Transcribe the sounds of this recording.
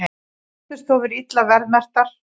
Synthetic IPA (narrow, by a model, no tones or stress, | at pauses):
θɪst̪θovɪɾit̪lavɛɾðmɛr̥t̪aɾ̥